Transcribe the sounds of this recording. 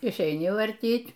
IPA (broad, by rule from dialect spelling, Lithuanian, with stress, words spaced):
ɪʃʲɛɪˈnʲɪ ʋɐrʲˈtʲiːtʲ